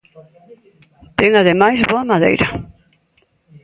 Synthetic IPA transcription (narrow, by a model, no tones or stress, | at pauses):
t̪ɛŋaðemajzβoɐmaðḛjɾɐ